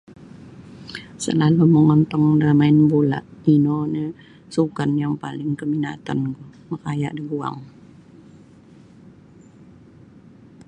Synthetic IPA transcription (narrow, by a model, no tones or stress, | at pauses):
sə̰laluməŋɔnt̪ɔŋdamaɪnbula̰ʔinɔnə | sukanjaŋpalɪŋkəmina̰t̪a̰nkuməkaja̰ʔdəɡua̰ŋ